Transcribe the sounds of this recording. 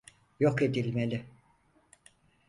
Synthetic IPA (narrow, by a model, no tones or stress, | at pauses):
joke̞d̪ilʲmelʲɪ